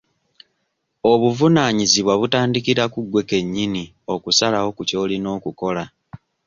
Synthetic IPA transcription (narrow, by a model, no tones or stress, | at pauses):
o̞βuvunaːɲiziβwaβutaːndikiɾakuɡwe̞ke̞ɲːini | o̞kusalawo̞kuco̞ːlino̞ːkuko̞la